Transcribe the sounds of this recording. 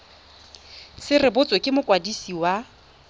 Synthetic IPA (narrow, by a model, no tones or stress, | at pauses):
sɪrɪbʊt͡sʼɔkʼɪmʊkʼwadisiwa